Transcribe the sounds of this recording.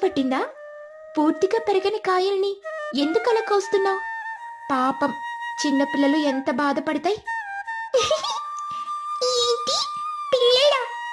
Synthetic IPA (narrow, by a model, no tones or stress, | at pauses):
pɐʈːind̪aː | puːɾt̪iɡaːpeɾɐɡɐnɐkaːjɐlɐnie̞nd̪ukɐlɐkːɐst̪unːaːpaːpɐmt͡ʃinːɐpilːɐluent̪ɐbaːd̪ɐpɐɽɐt̪aːji | eːɳʈipilːɐːɐ